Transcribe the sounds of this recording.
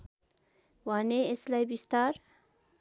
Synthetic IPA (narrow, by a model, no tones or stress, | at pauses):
waneeslajbist̪aɾ